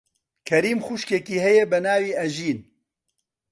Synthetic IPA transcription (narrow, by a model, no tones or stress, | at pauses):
kʰɐɾiːmxuʃkekiːhɛjɛbɛnaːwiːɐʒiːn